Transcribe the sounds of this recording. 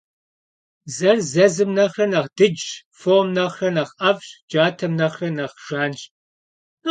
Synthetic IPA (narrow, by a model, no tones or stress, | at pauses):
zɐrzɐzɨmnɐχrɐnɐʁd̥ɨd͡ʒ | foːmnɐχrɐnɐχɐvɕd͡ʒaːtʰɐmnɐχrɐnɐχʒ̥aːnɕʼ | n